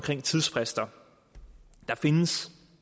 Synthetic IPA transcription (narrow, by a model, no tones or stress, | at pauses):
mkʰʁeŋ̰t͡sʰið̞ˠsfʰʁɛsd̥ɐ | d̥ɑ̈fe̝nəs